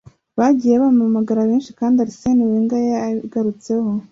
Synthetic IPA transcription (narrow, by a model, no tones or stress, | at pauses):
βaɟiːjeβamamaɡaɾaβeːnʃi̥kaːndiaɾiseniweːŋɡajeaɡaɾut͡se̞ho